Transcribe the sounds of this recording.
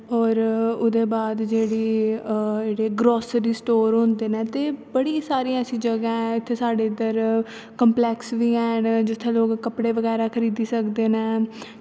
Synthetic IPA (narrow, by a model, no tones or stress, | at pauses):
ɔːɾʊd̪eːbaːd̪d͡ʒeːɽiː | eːɽeːɡɾɔːsɾiːsʈoːɾɦʊ̃nd̪eːnɛ̃ːt̪eːbəɽiːsaːɾiːãːəsĩːd͡ʒəɡãːɛ̃ɪt̪ʰːeːsaːɖeːɪd̪əɾ | kəmplɛːksʋiːɛːnd͡ʒɪt̪ʰːẽːloːkkːəpɽeːʋəɡɛːɾaːkʰəɾiːd̪iːsəkd̪eːnɛ̃ː